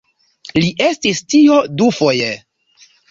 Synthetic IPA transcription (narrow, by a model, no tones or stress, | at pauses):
liʔe̞stistiodufo̞je